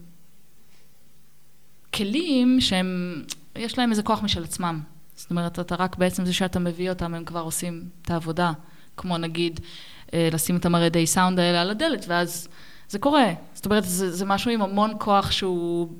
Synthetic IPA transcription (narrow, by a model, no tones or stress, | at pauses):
kʰe̞limʃehem | jeʃlae̞meze̞ko̞aχmiʃelat͡smam | z̥o̥t̪o̞me̞ʁetataʁakbeet͡se̞mzeʃeatame̞vio̞tamemkvaʁo̞simt̪aːvo̞da | kmo̞naɡid | elasimetamaʁedejsawndaelealade̞letveaz | ze̞ko̞ʁe̞zo̥t̪ome̞ʁ̞etzezemaʃuimamo̞nkʰo̞aχʃeu